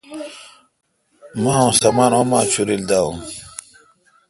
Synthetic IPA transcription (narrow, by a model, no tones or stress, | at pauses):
mãːõsɐmaːnomãːt͡ɕʰuɾild̪aũ